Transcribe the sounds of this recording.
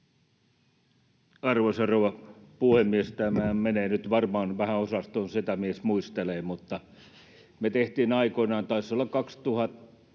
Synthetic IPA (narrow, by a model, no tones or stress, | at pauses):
ɑrʋoseroʋɑpuhemːiest̪æmæːmeneːnyt̪ʋɑrmɑːnʋæhæosɑst̪onsit̪æmiesmuist̪eleːmut̪ːɑ | met̪eht̪iːnɑikoinɑːnt̪ɑisːolːɑkkɑkst̪uhɑt̪ː